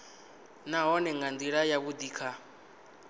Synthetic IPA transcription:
naɦɔnɛŋɡand̪iɺajaβud̪iːkʰa

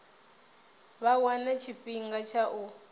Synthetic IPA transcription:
βawanat͡ʃʰiɸʼiŋɡat͡ʃʰaʔu

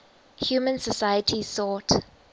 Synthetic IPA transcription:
hjuːmə̃nsəsajətʰisɔˑt

